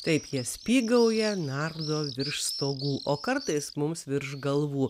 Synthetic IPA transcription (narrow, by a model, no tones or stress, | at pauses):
t̪ɐɪpjiɛsʲpʲiːɡɐʊjɛnɑɾd̪oːʋʲɪɾʃst̪oːɡuːʔoːkɐɾt̪ɐɪsmʊmsʋʲɪɾʃɡɐlˠʋuː